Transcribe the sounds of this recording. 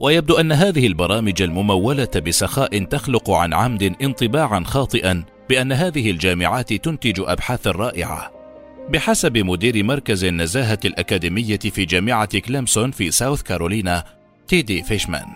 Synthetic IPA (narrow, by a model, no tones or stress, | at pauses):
wajab̚d̪uːʔanːaɦaːðɪhɪlbɑɾˤɑːmɪd͡ʒalmʊmawːalat̪bɪsaxaːʔɪnt̪axlʊqʊʕa̰nʕamd̪ɪnʔɪnt̪ˤɨbaːʕanxɑːt̪ˤɨʔan | bɪʔanːaɦaːðɪhɪld͡ʒaːmɪʕaːt̪t̪ʊnt̪ɪd͡ʒʔa̰bħaːθɑrˤːɑːʔɪ̰ʕa̰ | bɪħasabɪmʊd̪iːɾɪmɑɾˤkazanːazaːɦaalʔakaːd̪iːmɪjːafiːd͡ʒaːmɪʕaklɪmsʊnfiːsawθkaɾˤoːliːna | t̪iːd̪iːfeʃma̰n